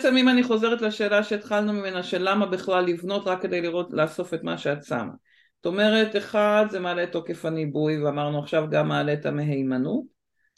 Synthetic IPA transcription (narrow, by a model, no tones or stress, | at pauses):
t͡semimaniχo̞ze̞ʁetlaʃe̞ːlaʃe̞ːt̪χalnumime̞naʃe̞lamabiχlalːivno̞tʁakːe̞d̪e̞jliʁo̞tlaːso̞fe̞tmaʃeadsa̰m | zoto̞me̞ʁe̞teχadze̞maːle̞to̞ke̞fanibujveamaʁnuaχʃavɡamːaːle̞tameɦejmanut